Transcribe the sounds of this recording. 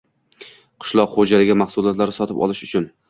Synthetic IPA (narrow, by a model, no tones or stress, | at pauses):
qʰɨ̥ʃlˠɒqχod͡ʒalɪɡʲɪmaχsʊlˠɒt̪laɾɪsɒt̪ʰɪpɒ̰lˠɪʃʊt͡ʃʰʊn